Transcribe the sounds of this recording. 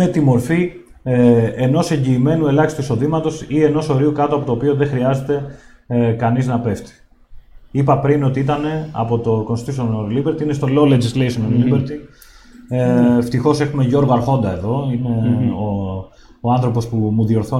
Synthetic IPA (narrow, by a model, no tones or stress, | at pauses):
net̪imo̞ɾfi | eno̞se̞ɲɟiːme̞nue̞lɐçist̪uiso̞ðimɐt̪o̞sie̞no̞so̞ɾiukɐt̪oɐpo̞t̪oːpio̞ðe̞xɾiɐze̞t̪e̞ | kɐniznɐpe̞ft̪i̥ | ipɐpɾino̞t̪iit̪ɐne̞ɐ̰po̞t̪o̞konst̪isonoɾlibeɾt̪iinest̪o̞looled͡ʑislesononlibeɾt̪i | eft̪ixo̞se̞xumeʝo̞ɾɣoɐɾxo̞nd̪ɐe̞ðo̞ine̞o | oanθɾo̞po̞spumuðio̞ɾθo